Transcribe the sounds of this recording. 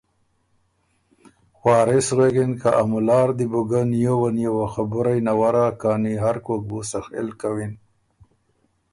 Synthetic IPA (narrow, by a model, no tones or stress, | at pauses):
xwɑːɾɪsɣeɡinkaʔamulɑːɾd̪ibuɡanjowanjowaxabʊɾajnawaɾakaːniɦaɾkok̚busaxḛlkawin